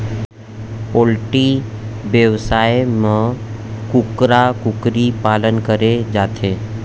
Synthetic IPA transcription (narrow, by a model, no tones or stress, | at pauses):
oːlʈiʋjəʋsaːjemə̃kʊkɾakʊkɾipaːlənkəɾed͡ʒaːt̪ʰeː